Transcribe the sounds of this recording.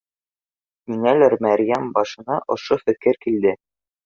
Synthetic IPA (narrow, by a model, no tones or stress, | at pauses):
inælæɾmæɾʲjæmbɑʃɤ̆nɑʔŏʃofɘ̆kɘɾkild̪ɘ